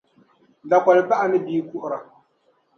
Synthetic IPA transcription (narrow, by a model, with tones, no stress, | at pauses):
da˨kɔ˨lɪ˨ba˦ʔa˨nɪ˦biː˦ku˦ʔʊ˦ɾa˨